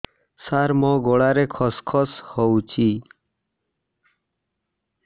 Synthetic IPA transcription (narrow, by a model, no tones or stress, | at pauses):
saɾmɔ̃ɡoɽaɾekʰɔskʰɔshɔwt͡ʃʰi